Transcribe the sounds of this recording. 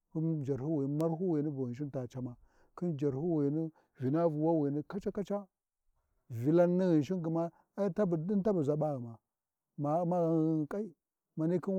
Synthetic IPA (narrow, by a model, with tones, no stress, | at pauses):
ku˦nd͡ʒa˨ɾhu˦wi˨n˦ma˦ɾɦu˦wi˨ni˦bu˨ɣə˨nʃ̬i˦nta˨t͡ʃa˦ma˨ | ki˦nd͡ʒa˨ɾhu˦wi˨ni˦ | vi˨na˦vu˨wa˦wi˨ni˦ka˦t͡ʃa˦ka˦t͡ʃa˦ | vi˨la˦nːi˦ɣi˨nʃ̬i˦nɡi˨ma˦ | a˦ta˦bdi˦nta˦bu˨za˨ɓa˦ɣi˨ma˨ | ma˨˦ma˦ɣa˨˦˨kʼa˦i˦ | ma˨ni˦ki˦n